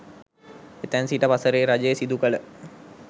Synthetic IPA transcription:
et̪ænsiʈəpasəɾeːɾad͡ʒejesid̪ukələ

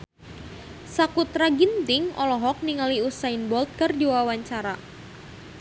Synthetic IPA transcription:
sakut̪ɾaɡint̪ɪŋʔɔlɔɦɔk̚niŋaliusainbɔlt̪̚kɨrdiwawaɲt͡ʃaɾa

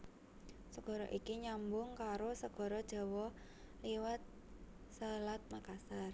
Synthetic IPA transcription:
səɡ̥ɔ̤ɾɔʔikiɲambʊŋkaɾosəɡ̥ɔ̤ɾɔd̥ʒ̥ɔ̤wɔ | liwat̪̚ | səlat̪̚makasar

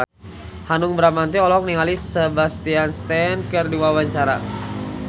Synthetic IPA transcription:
hanuŋbəɾamant̪iɔlɔk̚niŋalisəbast̪ianst̪ɛnkərdiwawaɲt͡ʃaɾa̰

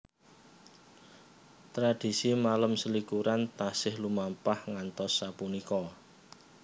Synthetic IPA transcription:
t̪ɾad̥i̤simaləmsəlikuɾant̪asɪhlumampahŋant̪ɔsːapunikɔ

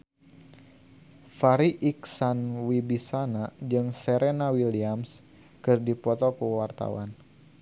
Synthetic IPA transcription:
faɾiʔiksanwibisanad͡ʒɨŋsɛɾɛnawiliams | kɨrdipɔt̪ɔkuwart̪a̰wa̰n

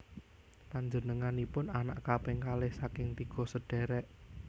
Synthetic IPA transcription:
paɲd͡ʒənəŋanipʊnanaʔkapɪŋkalɪhsakɪŋt̪iɡ̥ɔ̤səɖ̥ɛ̤ɾɛʔ

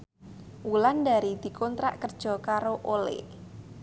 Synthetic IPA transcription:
wulandaɾid̪̥i̤kɔnt̪ɾa̰ʔkərd̥ʒ̥ɔ̤kaɾoʔolɪ̰

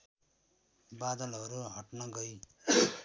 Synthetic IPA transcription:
bad̪ʌlʌɾuɦʌʈnʌɡʌj

